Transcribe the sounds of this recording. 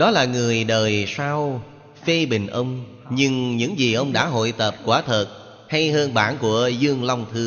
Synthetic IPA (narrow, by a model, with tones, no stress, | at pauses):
ɗɔ˨˦laː˨˩ŋɨ˨˩əjɗəː˨˩jsaː˧w | fe˧ɓï˨˩ŋ̟ʔə˧wŋ͡m | ɲɨ˧ŋɲɨ̰˧˥ŋzi˨˩ʔə˧wŋ͡mɗa̰ː˧˥ɦo̰˧˨jt̪ə˨˩p̚kwaː˧˩t̪ʰə˨˩t̚ | ha˧jɦəː˧nɓaː˧˩nku˧˩əzɨ˧əŋla˧wŋ͡mt̪ʰɨ˧ə